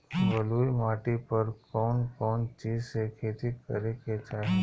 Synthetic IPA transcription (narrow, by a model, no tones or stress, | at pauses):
bəluːimaːʈipəɾkɔːnkɔːnt͡ʃiːd͡ʒsekʰeːt̪ikə̰ɾeket͡ʃaːe